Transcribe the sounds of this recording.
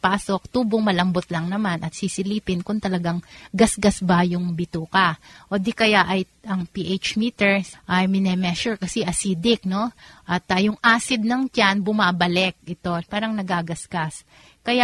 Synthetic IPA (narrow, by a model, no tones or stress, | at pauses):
paːso̞k̚t̪uːboŋmɐlɐmbot̪lɐŋnɐmanʔɐt̪sisɪliːpɪnkʊnt̪ɐlɐɡaŋɡɐsɡɐsbɐjʊŋbɪt̪uːkɐʔoːd̪ikɐjaʔɐj | ʔɐŋpiʔet͡ʃmiːt̪ɛɹsʔɐjmɪnɛmɛʃʊɹkɐsɛʔɐsiːd̪ɪk̚no̞ʔɐt̪ɐjʊŋʔaːsɪd̪̚nɐŋt͡ʃanbʊmabɐlɛk̚ʔɪt̪o̞paːɾɐŋnɐɡaɡɐsɡ̥as | kɐja